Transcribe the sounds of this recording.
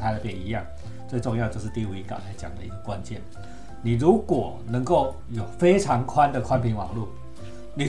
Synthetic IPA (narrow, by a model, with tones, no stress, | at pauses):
t̪ʰa˥ɪdə˨˩pjɛ˥˩ni˧˥jɑ˥˨ŋ | t͡swe˥˧ɪʈ͡ʂŋjɑ˥˧t͡ɕjo˥˧ʊʂ̬̩˥˧t̪i˥˧u˥˩i˧˥kɑ̰˨˩tʰa˧˥ɪt͡ɕjɑ̰˨˩ŋd̪ə̰˦i˧˥ɡə˨kwa˦nt͡ɕjɛ̰˥˩n | ni˨˩ɻu˨˦˥kwɔ˨˩ | nə˧˥ŋko˥˩ʊ | jo˨˩ʊfe˥ɪʈ͡ʂʰɑ˧˥ŋkʰwa˦˥nd̪ə˨kʰwa˥˦npʰi˧˥ŋwɑ̰˨˩ŋlu˥˩ | ni˨